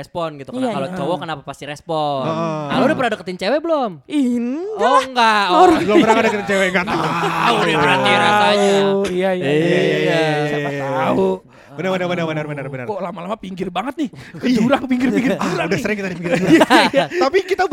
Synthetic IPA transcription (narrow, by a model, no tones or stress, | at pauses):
ɛspɔnɡit̪ukalot͡ʃowɔkənapapast̪iɾɛspɔɔʔaludapəɾadakət̪iɲt͡ʃewɛbəlominɔŋɡaɔlobəɾaŋadakət̪iɲt͡ʃewɛŋɡat̪aaauabəɾat̪iaɡat̪aaijaijaajaja | au | bənəɾbənərbənərbənərbənərbənərolamalamapiŋɡɪrbaŋət̪̚nɪkəd͡ʒuɾaŋpiŋɡɪrpiŋɡɪrɾaudasəɾɪŋkit̪adipiŋɡɪɾat̪apikit̪a